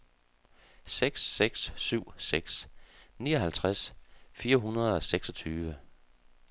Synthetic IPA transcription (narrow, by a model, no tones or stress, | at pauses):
seɡ̥sːeɡ̥sːyʊ̰seɡ̥sniːɒɦælt͡sʰʁasfiːɐɦunɐð̞ˠɒ̽seɡ̥sɒ̽t͡sʰyːʋə